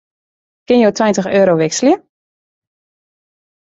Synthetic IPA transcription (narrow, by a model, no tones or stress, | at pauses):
kɪnjoːtʰwɛjntəxøːɾoʋɛksljə